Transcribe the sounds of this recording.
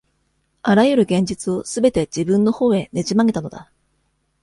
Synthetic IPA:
aɾajɯ̟ɾɯ̟ɡẽ̞ɲ̟d͡ʑit͡sɨo̞sɨbe̞t̪e̞d͡ʑibɯ̟̃nːo̞ho̞ːe̞ne̞ʑimaŋe̞t̪ano̞d̪a̰

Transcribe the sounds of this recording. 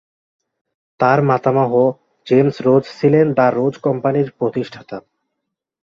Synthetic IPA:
t̪aɾmat̪amaɦo | d͡ʑemsɾod͡ʑsʰilend̪aɾːod͡ʑkɔmpaniɾpɾot̪iʃʈʰat̪a

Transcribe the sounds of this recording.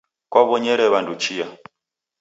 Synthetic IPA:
kwaβɔɲɛɾɛβandut͡ʃija

